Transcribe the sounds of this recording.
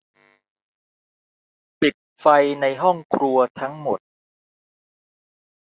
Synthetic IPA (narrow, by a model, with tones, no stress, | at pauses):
pi˨˩t̪̚fa˧jna˧jɦɔ˥˩ŋkʰɾu˧ɐt̪ʰa˦˥ŋmo˨˩t̪̚